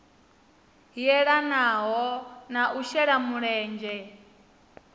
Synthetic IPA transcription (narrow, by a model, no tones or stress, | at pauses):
ɦijɛɺanaɦɔnaʔuʃɛɺamuɺɛːnd͡ʒɛ